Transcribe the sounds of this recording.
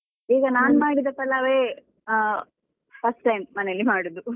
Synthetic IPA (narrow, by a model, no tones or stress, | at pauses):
iːɡɐnaːnmaːɽid̪ɐpɐlaʋeː | pʰɐsʈːɐjmːɐnejɐlːimaːɽud̪u